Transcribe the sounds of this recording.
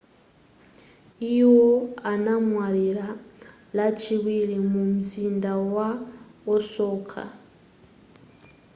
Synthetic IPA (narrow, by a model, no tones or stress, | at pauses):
iwɔanamwaɺiɾa | lat͡ʃʰiβiɺimumuzindawaɔsɔːkʰa̰